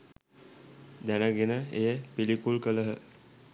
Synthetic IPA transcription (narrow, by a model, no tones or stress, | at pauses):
d̪ænəɡenəejəpilikulkələɦə